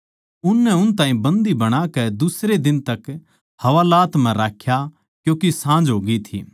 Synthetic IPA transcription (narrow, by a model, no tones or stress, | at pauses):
ʊnːɛʊnt̪ãːɦĩbɐ̃nd̪ibɐɽ̃akɛd̪ʊsɾed̪ɪnt̪ɐk | hɐʋaːlaːt̪m̤ɛ̃ɾaːkʰja | kjõːkesãːd͡ʒɦoːɡit̪ʰḭː